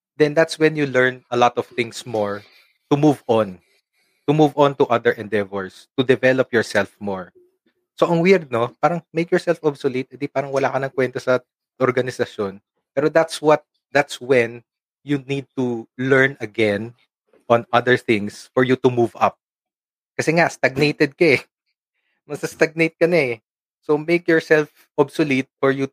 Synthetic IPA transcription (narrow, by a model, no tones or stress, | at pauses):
d̪ɛnd̪at̪swɛnjulɛɹnɐlɔt̪ɔv̥θɪ̃ŋsmɔɹ | t̪umuvɔ̃n | t̪ʊmuvɔ̃nt̪uʔɐd̪ɛɹʔɛ̃nd̪ɛvɛɹst̪ʊd̪ɛvɛlɔpjɔɹsɛlfmɔɹ | soʔɐŋwɪɹd̪̚nopaːɾɐŋmejkjɔɹsɛlfʔɔbsolit̪̚ɪ̃nd̪ipaːɾɐŋwɐlaːkɐnɐŋkwɛnt̪osɐ | ʔɔɹɡɐnɪsɐʃjon | pɛːɾod̪at̪swɐt̪̚ | d̪at̪swɛ̃n | junid̪̚t̪ulɛɹnɐɡɛn | ʔɔ̃nʔɐd̪əɹθɪ̃ŋsfɔɹjut̪ʊmuvɐ̰p̚ | kɐsɛŋast̪ɐɡ̚nejt̪ɛd̪̚kɐɛ | mɐsɐst̪ɐɡ̚nejt̪̚kɐnɐɛ | somejkjɔɹsɛlf | ʔobsolit̪̚fɔɹju